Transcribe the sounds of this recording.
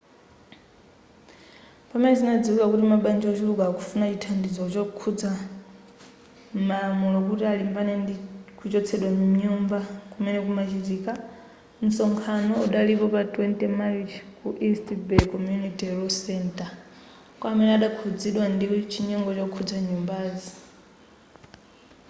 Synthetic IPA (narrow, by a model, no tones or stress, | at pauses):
pamɛnɛzinad͡ziwukakutimaɓand͡ʒiɔt͡ʃiluɡaːkʰu̥funat͡ʃitʰandid͡zɔt͡ʃɔkʰud͡za | malamulɔkutialimbanɛndikʰut͡ʃɔt͡sʰɛɗwamuɲumbakumɛnɛk̬umat͡ʃiziːka | n̩sɔŋkʰanɔuɗalipɔpatʼwɛntɛmait͡ʃkuʔistibɛkɔmjunitiɾɔsɛntʼa | kwamɛnɛaɗakʰud͡ziɗwandiɔt͡ʃʰiɲɔŋɡɔt͡ʃɔkʰud͡zaɲumbaːzi